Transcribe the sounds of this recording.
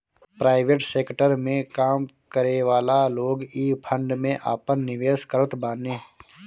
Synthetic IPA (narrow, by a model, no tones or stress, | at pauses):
pɾaːɪʋeːʈseːkʈəɾmẽkaːmkəɾeʋaːlaloːɡiːpʰə̃ɳɖmẽʔa̰ːpənːɪʋeːskəɾət̪baːneː